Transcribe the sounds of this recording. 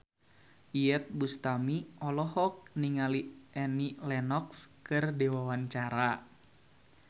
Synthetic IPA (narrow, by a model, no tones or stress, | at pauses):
ʔiɛt̪̚bust̪amiɔlɔɦɔk̚niŋaliʔɛnilɛnɔkskɨrdewawaɲt͡ʃaɾa